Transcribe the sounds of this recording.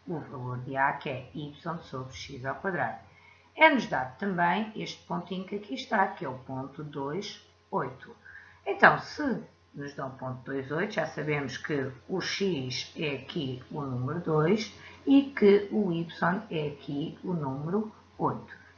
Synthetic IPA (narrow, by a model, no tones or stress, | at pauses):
uvɐlˠoɾðɨakɛipsõnsoβɾʃizawkwɐðɾað | ɛnuʒðaðt̪ɐ̃mbɐ̃j̃eʃt̪̚põnt̪ĩɲukɐkʰiʃt̪akɛupõnt̪uðojʃ | ojt̪u̥ẽnt̪ɐ̃w̃sɨ | nuʒðɐ̃w̃põnt̪ud̪ojzojt̪uʒasɐβemʊʃkɨuʃiʃɛɐkʰiunumɨɾuðojʃikɨuipsõnɛɐkʰiunumɨɾu | ojt̪u̥